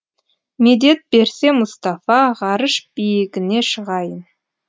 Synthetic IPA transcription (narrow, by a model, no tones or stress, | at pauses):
med̪e̞t̪̚be̞ɾse̞mʊst̪ɑfɑʁɑɾəʃb̥ijɪɡʲɪne̞ʃəʁɑjən